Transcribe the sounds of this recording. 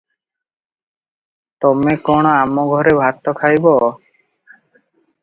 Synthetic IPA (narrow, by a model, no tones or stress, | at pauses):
t̪ɔmekɔɽ̃ɔamɔɡʱɔɾebʱat̪ɔkʰajbɔ